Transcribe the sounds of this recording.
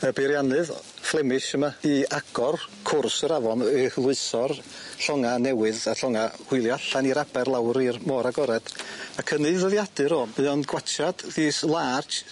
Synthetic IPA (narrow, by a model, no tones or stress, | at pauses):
əbɪɾjanɨðflˠɛmɪʃəmaiaɡ̥ɔrkʰʊrsəɾavɔnhlˠʊɨsɔrɬɔŋanɛwɨðaɬɔŋahʊɨlˠjaɬaniɾabɛrlˠawɾirmɔɾaɡɔɾɛd̥akʰənɨðəðjadɨɾɔːmɨɔnɡwat͡ʃʰad̥ðiːslˠart͡ʃ